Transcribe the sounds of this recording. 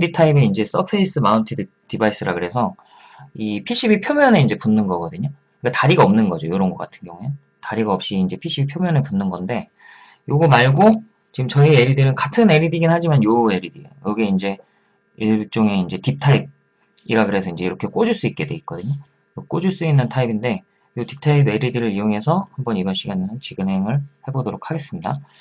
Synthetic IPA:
ditʰaibeind͡ʑe̞s͈ʌpʰeis͈ɯmauntʰidɯ | tibais͈ɯɾaɡɯɾe̞sʰʌ | ipʰiɕ͈ʰibipʰjomjʌne̞ind͡ʑe̞punːɯnɡʌɡʌdɯɲo | ɯk͈ataɾiɡaʌmnɯnɡʌd͡ʑojoɾʌnɡʌk͈atʰɯ̥nɡjʌŋue | taɾiɡaʌp̚ɕ͈iːnd͡ʑe̞pʰiɕ͈ʰibiɭpʰjomjʌnepunːɯnɡʌnde̞ | joɡomaɭɡo | t͡ɕiɡɯmt͡ɕʌieɾidɯnɯnkatʰɯne̞ɾidiɡinhad͡ʑimanjoe̞ɾidiḛjokɯɡe̞ind͡ʑe̞ | it͡ɕ͈oŋe̞ind͡ʑe̞tip̚tʰaib̚ | iɾaɡɯɾe̞sʰʌind͡ʑe̞iɾʌkʰe̞k͈od͡ʑuɭs͈uit̚k͈e̞dwe̞it̚k͈ʌdɯɲo | ok͈od͡ʑuɭs͈uinːɯntʰaibinde̞ | jotip̚tʰaibe̞ɾidiɾɯɾijoŋe̞sʰʌhambʌnibʌnɕ͈ʰiɡanenɯnt͡ɕiɡɯnɦe̞ŋɯɭhe̞bodoɾok̚ʰaɡe̞s͈ɯmɲida

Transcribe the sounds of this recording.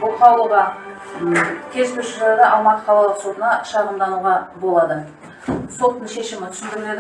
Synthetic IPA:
bʊqʰɑlˠuʁɑ | kʲʰe̞zt̪ʲʰʏɾʃɪɾeɾd̪eʔɑlˠmɑqə̥qʰɑlˠəlˠəqso̞t̪ənɑʃɑʁəmd̪ɑnuʁɑbo̞lˠɑd̪ə | so̞t̪ːəɴʃe̞ʃɪmɪt̪ʰʏ̥sɪnd̪ɪɾɪled̪

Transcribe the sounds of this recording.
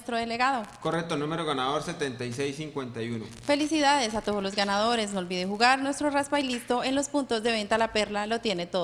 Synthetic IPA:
st̪ɾoðele̞ɣaðo̞korek̚t̪onũmeɾoɣanaðo̞ɾse̞t̪ent̪ajsejsːiŋkwe̞nt̪ajuno̰fe̞lisiðaðe̞sat̪oðo̞zlo̞zɣanaðo̞ɾe̞snolβiðexuɣaɾnwe̞st̪ɾorasbajlist̪o̞enlo̞spunt̪o̞zðe̞β̞e̞nt̪alape̞ɾlalo̞t̪je̞ne̞t̪oð

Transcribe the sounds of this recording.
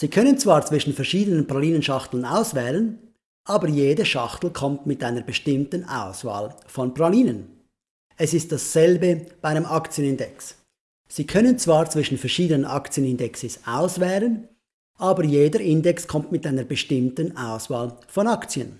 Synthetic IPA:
z̥iːkʰœnənt͡sv̥aːʁt͡sv̥ɪʃn̩fɛɐʁʃiːdənənpʁaliːnənʃɑχtl̩naʊsvɛːlən | ʔɑːbəjeːdəʃɑχtl̩kʰɔmtmɪtaɪnəɾbəʃtɪmtənʔa̰ʊsva̰ːlfɔnpʁaliːnən | ɛsɪst̚d̥asːɛlbəb̥aɪanəmʔɑkt͡sjənɪndɛksː | iːkʰœnənt͡svaːʁt͡sv̥ɪʃn̩fɛɐʁʃiːdənənʔɑ̰kt͡sjənɪndɛksɪsaʊsvɛːlən | ʔaːbəjeːdəʔɪndɛkskʰɔmtmɪtaɪnəɾbəʃtɪmtənaʊsvaːlfɔnɑkt͡sjə̰n

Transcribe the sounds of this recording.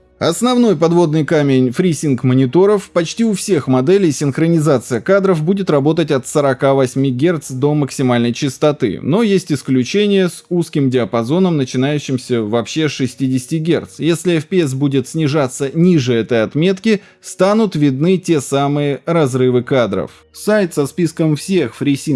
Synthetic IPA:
ɐsnɐvn̪o̞jpɐd̪vo̞d̪nɨjkamʲɪnʲfɾʲisʲɪnkmənʲɪt̪o̞ɾəfpɐt͡ɕtʲiʊfsʲe̞xmɐd̪ɛlʲɪjsʲɪnxɾənʲɪzat̪sɨjəkad̪ɾəfbudʲɪt̪rɐbo̞t̪ətʲɐt̪səɾɐkavɐsʲmʲiɡʲe̞rt̪sd̪o̞məksʲɪmalʲnəjt͡ɕɪst̪ɐt̪ɨ̰no̞jesʲtʲɪsklʲʉt͡ɕenʲɪjəsuskʲɪmdʲɪəpɐzo̞nəmnət͡ɕɪnajʉɕːɪmsʲəvɐpɕːe̞ʂɨsʲtʲidʲɪsʲtʲɪɡʲe̞̰rt̪sjesʲlʲɪɛfpʲɪɛs̬budʲɪt̪sʲnʲɪʐat̪sːənʲiʐɨɛt̪əjɐt̪mʲe̞t̪kʲɪ | st̪anʊt̪vʲɪd̪̚nɨtʲe̞samɨjəɾɐzɾɨvɨkad̪ɾə̰f | ssajt̪sɐspʲiskəmfsʲexfɾʲisʲi

